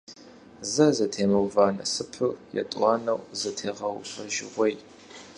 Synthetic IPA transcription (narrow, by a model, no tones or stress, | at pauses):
zɐzɐtʰeːmɐwvaːnɐ̰sɨpʰɨrjɛ̰tʼwɑːnɐwzɐtʰeːʁɐwɕʷʼɐʒɪ̰ʁʷɔj